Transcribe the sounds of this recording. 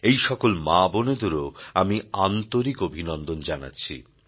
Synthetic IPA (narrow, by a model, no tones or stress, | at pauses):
ejʃɔkolmaboned̪oɾoamiant̪oɾikobʱinɔnd̪ond͡ʑana̰tːɕʰḭ